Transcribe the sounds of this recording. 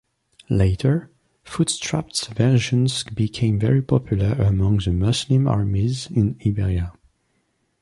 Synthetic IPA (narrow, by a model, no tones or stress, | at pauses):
leɪtʰə˞ | futstʰɹ̥aptsvɛʃə̃nzbikʰẽɪ̃mvɛɹipʰɔpʰjulˠə˞əmʌ̃ŋðəmɔslɪ̃mɑ̰ɹmizɪ̃nibɛɹia